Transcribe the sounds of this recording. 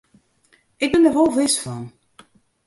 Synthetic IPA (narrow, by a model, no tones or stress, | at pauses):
ʔɪk̚bɪndəʋolˠvɪsfɔn